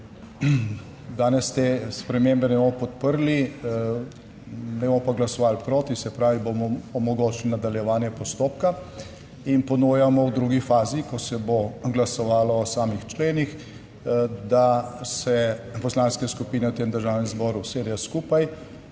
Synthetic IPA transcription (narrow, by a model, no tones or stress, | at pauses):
d̪aːnɛst̪eːspɾɛmeːmbɛnɛbomɔpɔt̪̚pəɾli | nɛbomɔpaɡlasɔʋaːlpɾoːt̪isɛpɾaːʋibomɔːmɔɡoːt͡ʃlinad̪aljɛʋaːnjɛpɔst̪oːpka | inpɔnujamɔwd̪ɾuːɡifaːzikɔsɛboɡlasɔʋaːlɔːsaːmixt͡ʃleːnix | d̪asɛpɔslaːnskɛskupiːnɛwt̪eːmd̪əɾʒaːwnɛmzbɔːɾuseːd̪jaskuːpaj